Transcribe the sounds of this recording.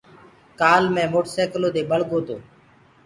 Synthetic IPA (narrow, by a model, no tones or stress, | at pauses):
kaːlmẽːmoːʈsɛːkloːd̪eːɓəɭ̤ɠoːt̪o̰ː